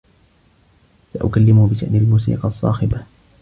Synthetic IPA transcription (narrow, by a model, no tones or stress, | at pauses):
saʔʊ̰kalːɪmʊbɪʃaʔnialmuːsḭːqɑsˤːɑ̰ːxɪba